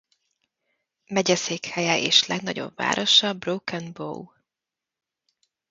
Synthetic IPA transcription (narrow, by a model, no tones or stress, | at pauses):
mɛɟɛseːkhɛjɛʔeːʃlɛɡnɒɟo̞̰bva̰ːɾʔo̞ʃɒbroːkɛnbo̰w